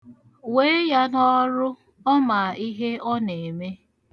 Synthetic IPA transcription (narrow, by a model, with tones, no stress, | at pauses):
we˦ja˦nɔ˦ɾʊ˦ | ɔ˦ma˨i˦ɦe˦ɔ˦ne˨me˦